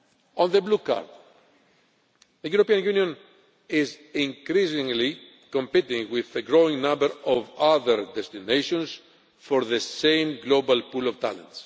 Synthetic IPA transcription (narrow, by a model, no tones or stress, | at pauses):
õnðəbluka̰ɾd̪̥ | ðəjuɾopiãnjunjõn | ɪzĩŋkɾisĩŋli | kõmpit̪ĩŋwiðəɡɾoĩŋnãmbəɾɔvaðəɾd̪ɛst̪ineʃõns | foɾðəsẽmɡlobalpulɔvt̪a̰lə̰̃nts